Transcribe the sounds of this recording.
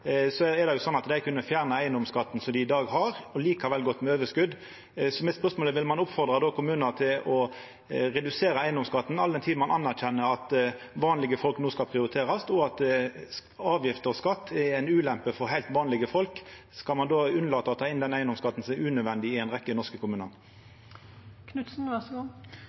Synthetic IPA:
sɔɛd̪ɛjʊsɔnːɑt̪d̪æɪkʰʉnːəfjæːʁnəæɪənd̪ɔmskɑt̪ːn̩sɔmd̪ɪɪd̪ɑːɡɦɑɾɔliːkɑʋɛlɡɔt̪ːmɛøːʋəskʉd̪ | sɔmɛspœʁsmoːləʋɪlmɑnʊpfɔɾd̪ɾɑd̪ɔːkʰʊmʉːnət̪ʰɪlɔ | ɾɛd̪ʉseːɾəæɪənd̪ɔmskɑt̪ːn̩ɑld̪ɛnt̪ʰiːd̪n̩mɑnʔɑnːæɾçɛnːəɑt̪ | ʋɑːnlɪɡəfɔlknuːskɑlpʰʁɪʊɾɪt̪ʰeːɾɑst̪ɔɑt̪ | ɑːʋjɪft̪əɔskɑt̪ːɛæɪnʉːlɛmpəfɔɾɦæɪlt̪ʋɑːnlɪɡəfɔlk | skɑlmɑnd̪oːʉnəlɑːt̪əɑt̪ʰɑːɪnd̪ɛnæɪənd̪ɔmskɑt̪ːn̩sɔmɛʉːnœʋɛnd̪ɪɪæɪnʁɛkːənɔʂkəkʰʊmʉːnɑn | kʰnʉt̪sn̩ʋæs

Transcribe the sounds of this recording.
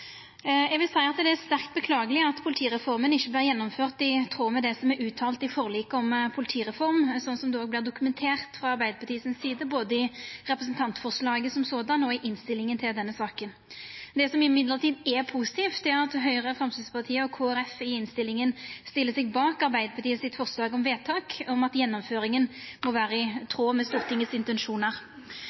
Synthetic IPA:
ɛɡʋɪlsæɪɑt̪d̪ɛæst̪æɾkt̪̚bəkʰlɑːɡəlɪɑt̪pʰʊlɪt̪ʰiːʁɛfɔʁmənɪçːəbliːʁɾjɛnːɔmføːʁt̪ɪt̪ʰʁoːmɛd̪ɛsɔmɛʉːt̪ʰɑːlt̪ɪfɔʁliːkəɔmpʰʊlɪt̪ʰiːʁɛfɔʁmsɔnsɔmd̪ɛoːɡ̚b̪ɪːʁd̪ʊkʉmɛnt̪ʰeːʁt̪fɾʁɑɑɾbæɪd̪əɾpʰɑt̪ʰiːsɪnsːiːd̪əboːd̪əɪʁɛpɾʁəsnt̪ʰɑnt̪fɔʁʂlɑːɡəsɔmsoːd̪ɑnɔɪʔɪnst̪ɪlːɪŋənt̪ʰɪld̪ɛnːəsɑːkən | d̪ɛsɔmɪmɪd̪ləʁt̪ʰiːd̪ɛpʰuːsɪ̥t̪ʰiːft̪d̪ɛæʁɑt̪ɦœʏʁəfʁɑmsɪspʰɑʁt̪ʰiːəɔkʰoːæɾɛfɪɪnst̪ɪlːɪŋənst̪ɪlːəsɛɡ̚bɑːkɑɾbæɪd̪əpɑt̪iːəsɪt̪fɔʁslɑːɡɔmʋeːt̪ʰɑːkɔmɑt̪jɛnːɔmføːɾɪŋənmɔʋæːɾəɪt̪ʰɾoːmɛst̪uːʁt̪ʰɪŋːəsɪnt̪ɛnʂuːnəʁ

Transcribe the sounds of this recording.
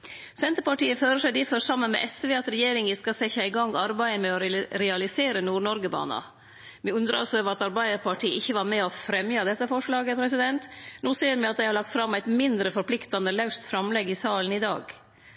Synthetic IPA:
sɛnt̪əpɑʈiːəføːɾəʂæɪd̪ɪføɾsɑmːənmɛ̰ʔɛsʋeːɑt̪ɾɛjeːɾɪŋɪskɑsɛçːɑæɪɡɑŋːɑɾbæɪəmɛɔɾɾɛɑlɪseːɾənuːɳɔɾɡəbɑ̰ːnɑ̰ | mɛʉnd̪ɾəɾɑ̰lsɔøːʋəɾɑt̪ɑɾbæɪəɾpɑʈʰiːəʔɪçːəʋɑɾmɛɔfɾɛmjɑd̪ɛt̪ːəfɔʂɭɑːɡəpʰɾɛsɪd̪ɛnt̪nuːseːəɾmɪɑt̪̚d̪æɪhɑɾɭɑk̚t̪fɾɑmːæɪt̪mɪnd̪ɾəfɔɾpʰlɪkt̪ɑnd̪əlɑʉst̪fɾɑmlɛɡːɪsɑːlən̩ɪd̪ɑ̰ːɡ

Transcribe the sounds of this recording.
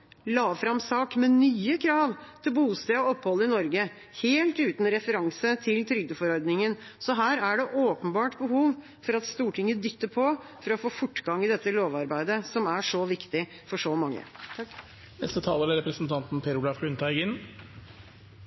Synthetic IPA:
lɑːʋfɾɑmsɑːkmɛnyːəkʰɾɑːʋt̪ʰɪlbuːst̪eːɔɔpːhɔlːəɪnɔɾɡə | heːlt̪ʉːt̪nɾɛfəɾɑŋsət̪ʰɪlt̪ʰɾʏɡ̚d̪əfɔɾɔɾd̪nɪŋən | sɔɦæːɾæɖɛʔoːpənbɑːʈbəhuːʋ | fɔɾɑt̪st̪uːʈɪŋːəd̪ʏt̪ːəɾpʰɔ | fɔɾɑɔfoːfʊʈːɡɑŋɪd̪ɛt̪ːəloːʋɑɾbæɪd̪əsɔmæʂɔʋɪkt̪ɪ | fɔʂɔmɑŋːə̰ | nɛ̰st̪ət̪ʰɑːləɾæɾɛpɾəsn̩t̪ʰɑnt̪n̩pʰeːɾʊlɑfɡʉnt̪ʰæɪɡɪn

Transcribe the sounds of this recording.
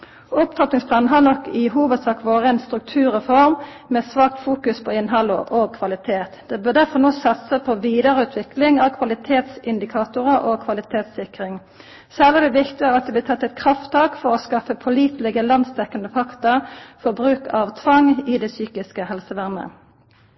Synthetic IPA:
ʊpt̪ʰɑt̪nɪŋspʰlɑːnn̩ɦɑnɔkːɪɦuːʋəd̪sɑːkʋoːʁəɛnst̪ɾʉk̚t̪ʰʉːʁəfɔɾm | meːsʋɑːk̚t̪fuːkʉspʰɔɪnɦɑləʔokʰʋɑlɪt̪ʰeːt̪d̪̥ɛːbøːʁd̪æʁfɔnoːsɑt̪səpʰɔʋiːd̪əʁəʉːt̪ʰʋɪklɪŋɑʋkʰʋɑlɪt̪ʰeːt̪sɪnd̪ɪkʰɑːt̪ʊʁəʔokʰʋɑlɪt̪ʰeːt̪sɪkʁɪŋ | sæləd̪ɛʋɪkt̪ɪɡəʁɑt̪̚d̪ɛblɪt̪ʰɑt̪ːɛt̪kʰʁɑft̪t̪ɑːkfɔʁɔskɑfəpʰɔliːt̪lɛɡəlɑnd̪st̪ʰɛkːɑnd̪əfɑkt̪əfɔbʁʉːkɑʋt̪ʰʋɑŋɪd̪ɛsyːkɪskəhɛlsəʋæʁmə̰

